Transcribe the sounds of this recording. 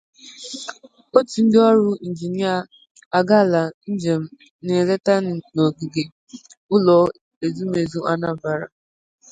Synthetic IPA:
o˦ti˨n̩˦dɪ˦ɔ˦ɾʊ˦n̩˨d͡ʒi˨ni˦a˦ | a˨ɡa˦˨la˨n̩˦d͡ʒe˨m̩˦ | ne˨le˦ta˦n˨o˨ɡi˨ɡe˨ | ʊ˦lɔ˨˦ | e˨zu˦me˨zu˦ʔa˦na˦˨ba˨ɾa̰˨

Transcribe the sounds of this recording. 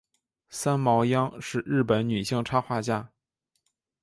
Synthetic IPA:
sa˥nmɑ˧˥ʊjɑ˥ŋʂɻ̩˥˧ɻɻ̩˥˩pə˧˥nny˨˩ɕi˥˧ŋʈ͡ʂʰa˥xwa˥˧t͡ɕja˥˩

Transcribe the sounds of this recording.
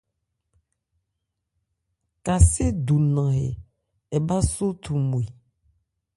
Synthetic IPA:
ka˨se˦du˨nã˨ɦḛ˨ | ɛ˨ba˦so˦t̪ʰu˨mũ˨i˨

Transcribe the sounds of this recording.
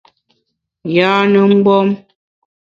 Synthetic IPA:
jaː˨˦nə˨m̩˦bɔ˦m

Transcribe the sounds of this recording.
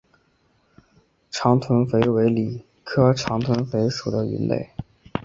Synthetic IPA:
ʈ͡ʂʰɑ˧˥ŋt̪ʰwə˧˥nfe˧˥ɪwe˧˥ɪli˨˩ | kʰɤ˥ʈ͡ʂʰɑ˧˥ŋt̪ʰwə˧˥nfe˧˥ɪʂu˨˩d̪ə˦y̰˧˥nlḛ˥˩ɪ

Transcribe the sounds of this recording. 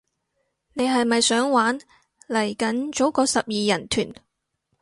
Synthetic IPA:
ne˨˧jɦɐ˨jmɐ˨jsœː˨˥ŋwaː˨˥n | lɐ˨˩jkɐ˨˥nt͡ʃo˨˥wkɔː˨˧sɐ˨p̚jiː˨jɐ˨˩nt̪ʰyː˨˩n

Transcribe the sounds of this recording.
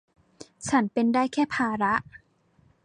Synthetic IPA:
t͡ɕʰa˦˥npe˧ndaː˥˩jkʰɛː˥˩pʰaː˧ɾa˦˥ʔ

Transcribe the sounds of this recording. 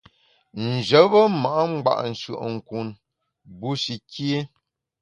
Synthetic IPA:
n̩˨d͡ʒə˨˦bə˦ma˨ʔa˦ŋ͡m̩˦ɡ͡ba̰˦˨ʔn̩˨ʃə̰˨ʔŋ̩˨ku˨n | bu˦ʃi˨kje˦

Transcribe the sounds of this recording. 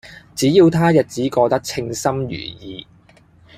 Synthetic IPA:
t͡siː˨˥jiː˧wt̪ʰaː˥jɐ˨˩t̚t͡siː˨˥kɔː˧t̪ɐ˥k̚t͡sʰɪ˧ŋsɐ˥mjy̰ː˨˩jiː˨˧

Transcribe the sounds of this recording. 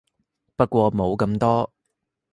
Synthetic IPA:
pɐ˥t̚kʷɔː˧mo˨˧wkɐ˧mt̪ɔː˥

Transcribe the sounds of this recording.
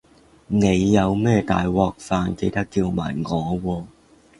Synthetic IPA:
ne˨˧jːɐ˨˧wmɛː˥t̪a̰ː˨jwɔː˨˧k̚faː˨˧nke˧jt̪ɐ˥kːiː˧wma̰ː˨˩jŋɔː˨˧wɔː˧

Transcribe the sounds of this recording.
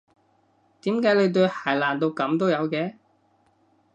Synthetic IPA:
t̪iː˨˥mkaː˨˥jle˨˧jt̪ɵ˧ɥhaː˨˩jlaː˨˩nt̪o˧wkɐ˨˥mt̪o˥wjɐ˨˧wkɛː˨˥

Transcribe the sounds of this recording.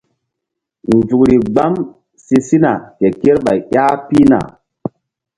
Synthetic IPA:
n˨zu˨kɾi˨ɡ͡ba˦m | si˦si˦na˨ke˨ke˦ɾɓa˨jja˦pi˦na̰˨

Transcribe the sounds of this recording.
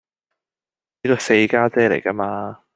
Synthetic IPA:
i˥kɔː˧se˧jkaː˥t͡sɛː˥le˨˩jkɐ˥maː˧

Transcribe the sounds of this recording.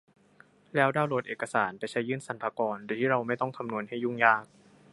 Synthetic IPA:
lɛː˦˥wdaː˥˩wloː˨˩t̪ʔeː˨˩ka˧saː˩˦npa˧jt͡ɕʰa˦˥jːɯː˥˩nsa˨˩˦npʰaː˧kɔː˧ndu˧˩t̪ʰiː˥˩ɾa˧wma˥˩jt̪ɔ˥˩ŋk̪ʰa˧mnu˧ənɦa˥˩jːu˥˩ŋjaː˥˩k̚

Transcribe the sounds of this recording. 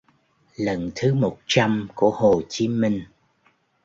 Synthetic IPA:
lə˨nt̪ʰɨ˨˦mo˨˩t̚t͡ɕa˧mku˧˩əho˨˩t͡ɕi˨˦mï˧ŋ̟

